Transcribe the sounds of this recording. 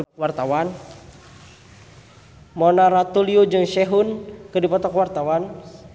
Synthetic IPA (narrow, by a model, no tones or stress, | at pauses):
wart̪awan | mɔnaɾat̪uliud͡ʒɨŋʃɛɦunkɨrdipɔt̪ɔkwart̪awan